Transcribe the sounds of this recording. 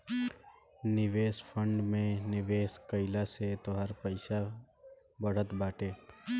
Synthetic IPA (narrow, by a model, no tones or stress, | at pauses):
nɪʋeːspʰə̃ɳɖmẽnɪʋeːskəɪlaset̪oɦaɾpəɪsa | bəɽ̤ət̪baːʈeː